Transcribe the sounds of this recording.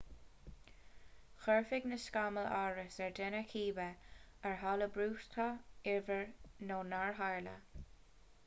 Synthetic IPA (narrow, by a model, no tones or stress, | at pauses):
xɛɹfɪɡnəskaməlaɹəsɛɹd̪ɛnəkʰiːbə | əɹɦaləbɹuːst̪ʰɑɪɹvəɹnoːnaɹɦaɹlə̰